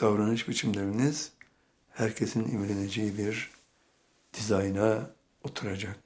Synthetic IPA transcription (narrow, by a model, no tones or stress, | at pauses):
d̪̥avɾanɯʃbit͡ʃʰimlʲeɾiniz̥ | hæɾcʰe̞sinḭmlʲened͡ʒejibiɾ | d̪̥izajna | ot̪ʰuɾad͡ʒak̚